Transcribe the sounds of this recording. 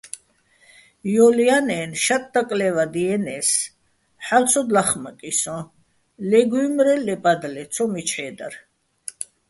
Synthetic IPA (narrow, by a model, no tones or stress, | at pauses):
jɔlianɛːnʃat̪̚ʼd̪akʼlɛvad̪iɛnɛs | ħalt͡sʰɔd̪laχməkʼisɔ̃ | lɛɡumɾɛlɛpʼad̪lɛɔmit͡ʃʰħɛːd̪a̰ɾ